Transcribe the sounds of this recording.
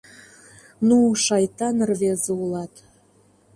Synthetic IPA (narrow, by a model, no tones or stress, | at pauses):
nuʃɑjt̪ɑnərβezeulɑt̪